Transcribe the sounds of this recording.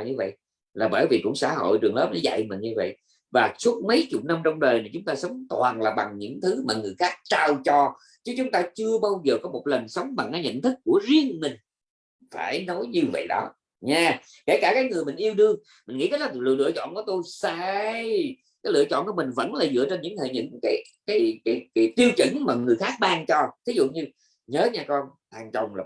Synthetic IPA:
ɲɨ˧və̰˧˨j | laː˨˩ɓəː˧˩jvi˨˩kʊ̰˧˥ŋ͡msa̰ː˧˥˦ɦo̰˧˨jt͡ɕɨ˨˩əŋləː˨˦˥m̚nɔ˨˦za̰˧˨jmï˨˩nɲɨ˧və̰˧˨j | vaː˨˩su˦˥ət̚mə˨˦jt͡ɕʊ˨˩k͡p̚na˧mt͡ɕɔ˧wŋ͡mɗəː˨˩jnə˨˩t͡ɕʊ˨˦ŋ͡mt̪aː˧sə˨˦wŋ͡mt̪waː˨˩nlaː˨˩ɓa˨˩ŋɲɨ̰˧˥ŋt̪ʰɨ˨˦maː˨˩ŋɨ˨˩əjxaː˦˥k̚t͡ɕaː˧wt͡ɕɔ˧ | t͡ɕɨ˨˦˥t͡ɕʊ˨˦ŋ͡mt̪aː˧t͡ɕɨ˧əɓaː˧wzəː˨˩kɔ˨˦mo˨˩t̚lə˨˩nsə˨˦wŋ͡mɓa˨˩ŋkaː˨˦jɲə̰˧˨nt̪ʰɨ˦˥kːu˧˩əzi˧ənmï˨˩ŋ̟ | faː˧˩jnɔ˨˦jɲɨ˧və̰˧˨jɗɔ˨˦ | ɲaː˧ | ke˧˩kaː˧˩kaː˨˦jŋɨ˨˩əjmï˨˩ŋ̟ʔi˧əwɗɨ˧əŋ | mï˨˩nŋḭ˧˥t̪ə˦˥laː˨˩lɨ˧˨lɨ̰˧ət͡ɕɔ̰˧˨nku˧˩˦t̪o˧jsaː˧j | kaː˨˦jlɨ̰˧˨ət͡ɕɔ̰˧˨nku˧˩əmï˨˩ŋ̟və̰˧˥nlaː˨˩zɨ̰˧˨ət͡ɕe˧nɲɨ̰˧˥ŋt̪ʰḛ˧˨˩ɲɨ̰˧˥ŋkaː˨˦j | kaː˨˦jkaː˨˦jkaː˨˦jt̪i˧əwt͡ɕɨ̰˧˩ŋmaː˨˩ŋɨ˨˩əjxaː˦˥k̚ɓaː˧ŋt͡ɕɔ˧t̪ʰi˨˦zṵ˧˨ɲɨ˧ | ɲəː˨˦˥ɲaː˧kɔ˧nt̪aː˨˩ŋt͡ɕə˨˩wŋ͡mlaː˨˩

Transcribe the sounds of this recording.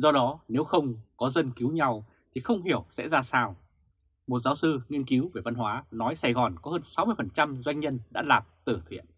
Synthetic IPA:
zɔ˧ɗɔ˨˦ne˨˦wxə˧wŋ͡mkɔ˨˦zə˧nki˨˦wɲa˧w | t̪ʰi˨˩xə˧wŋ͡mɦi˧˩əwsɛ̰˧˥zaː˧saː˧w | mo˨˩t̚zaː˨˦wsɨ˧ŋi˧ənki˨˦wve˧˩va˧nɦwaː˨˦nɔ˨˦jsa˧˩jɣɔ˨˩nkɔ˨˦həː˧nsa˨˦wmɨ˧əfə˨˩nt͡ɕa˧mzwa˧jŋ̟ɲə˧nɗa̰ː˧˥laː˨˩p̚t̪ɨ˧˩t̪ʰḭ˧˨ən

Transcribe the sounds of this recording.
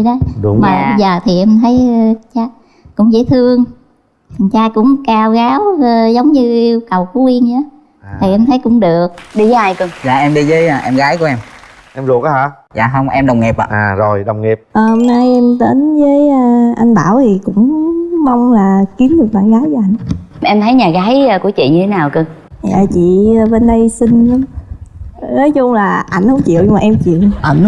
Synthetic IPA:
ɗə˨˦jɗmaː˨˩zaː˨˩t̪ʰi˨˩ʔɛ˧mt̪ʰə˨˦jt͡ɕaː˧ | kʊ̰˧˥ŋ͡mzḛː˧˥˦jt̪ʰɨ˧əŋ˨˩ | ŋt͡ɕaː˧jkʊ̰˧˥ŋ͡mkaː˧wɣaː˨˦wzə˨˦wŋ͡mɲɨ˧i˧wkə˨˩wku˨˦wi˧ənɲaː˨˦ | t̪ʰi˨˩ʔɛ˧mt̪ʰə˨˦jkʊ̰˧˥ŋ͡mɗɨ˨˩ək̚ɗi˧zə˨˧˦ʔa˧˩jkɨ˧za̰ː˨ʔɛ˧mɗi˧zəː˨˦jʔɛ˧mɣaː˨˦jku˧˩˦ʔɛ˧m | ʔɛ˧mzu˨˩k̚ːha˧˦ | za̰ː˧˨ɦə˧wŋ͡mʔɛ˧mɗə˨˩wŋ͡mŋi˨˩p̚ːzo˨˩jɗə˨˩wŋ͡mŋi˨˩p̚ʔəː˨˩hə˧mnaː˧jʔɛ˧mt̪e˨˦nzəː˨˦jə˧ʔa˧ŋɓaː˧˩wt̪ʰi˨˩kʊ̰˧˥ŋ͡mma˧wŋ͡mlaː˨˩ki˨˦əmɗɨ˨˩ək̚ɓaː˧˩nɣaː˨˦jzəː˨˦ʔa˧jŋ̟˨˦ʔɛ˧mt̪ʰə˨˦jɲaː˨˩ɣaː˨˦jəː˧ku˧˩ət͡ɕḭ˧˨ɲɨ˧t̪ʰe˨˦naː˨˩wkɨ˧əŋ | za̰ː˨t͡ɕḭː˧˨˩ɓe˧nɗə˧jsï˧ŋ̟˧˦ | nə˨˦jzʊ˧ŋ͡mlaː˨˩ʔa˧˩jŋ̟hə˨˧˦ŋ͡mt͡ɕḭ˧˨əwʊ˧aː˨ʔɛ˧mt͡ɕḭ˧˨əwʔ

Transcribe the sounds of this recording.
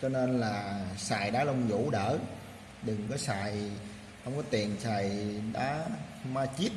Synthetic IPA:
t͡ɕɔ˧ne˧nlaː˨˩saː˨˩jɗaː˨˦lə˧wŋ͡mzṵ˧˦ɗəː˧˩ | ɗɨ˨˩ŋkɔ˨˦saː˨˩j | hə˧wŋ͡mkɔ˨˦t̪i˨˩ənsaː˨˩jɗaː˨˦ | maː˧t͡ɕi˦˥t̚

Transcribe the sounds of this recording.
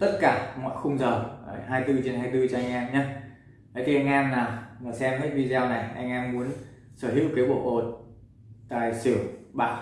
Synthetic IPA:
t̪ə˦˥t̚kaː˧˩mɔ̰˧˨jxʊ˧wŋ͡mzəː˨˩˧ɦaː˧jt̪ɨ˧t͡ɕe˧nɦaː˧jt̪ɨ˧t͡ɕɔ˧ʔa˧jŋ̟ʔɛ˧mɲaː˨˧ | ʔa˨˦jt̪i˨˩ʔa˧jŋ̟ʔɛ˧mnaː˨˩wŋɨ˨˩jsɛ˧mkaː˨˦j̚vi˧zaː˧wna˨˩jʔa˧jŋʔɛ˧mːu˨˦ən | səː˧˩hɦḭ˧˥wkaː˨˦jɓo̰˧˨ʔo˨˩t̚ | t̪a̰ː˧˨jsɨ˧˩əwɓa̰ː˧˨

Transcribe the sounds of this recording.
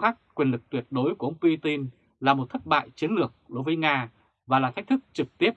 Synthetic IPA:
xaː˦˥k̚kwi˨˩ənlɨ˨˩k̚t̪wi˨˩ət̚ɗo˨˦jku˧˩˦ʔə˧wŋ͡mpi˧t̪i˧n | laː˨˩mo˨˩t̚t̪ʰə˦˥t̚ɓa̰ː˧˨jt͡ɕi˨˦ənlɨ˨˩ək̚ɗo˨˦jvəː˨˦jŋaː˧ | vaː˨˩laː˨˩t̪ʰa̟˦˥t̪ʰɨ˦˥k̚t͡ɕɨ˨˩k̚t̪i˦˥əp̚

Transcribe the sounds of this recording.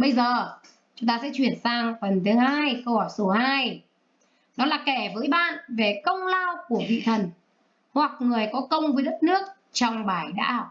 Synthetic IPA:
ɓə˧jzəː˨˩ | t͡ɕʊ˨˦ŋ͡mt̪aː˧sɛ̰˧˥t͡ɕwi˧˩ənsaː˧ŋfə˨˩nt̪ʰɨ˨˦ŋhaː˧jxə˧whɔ˧˩jso˨˦haː˧j | ɗɔ˨˦laː˨˩kɛ˧˩vəː˨˦jɓa̰ː˧˨nve˨˩kə˧wŋ͡mlaː˧wku˧˩əvḭ˧˨t̪ʰə˨˩n | hwa˨˩k̚ŋɨ˨˩əjkɔ˨˦kə˧wŋ͡mvəː˨˦jɗə˦˥t̚nɨ˦˥ək̚ | t͡ɕɔ˧wŋ͡mɓaː˧˩jɗa̰ː˧˥

